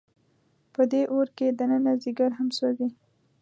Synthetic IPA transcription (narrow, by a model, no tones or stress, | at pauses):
pəd̪eʔoɾked̪ənənaziɡaɾɦamsowi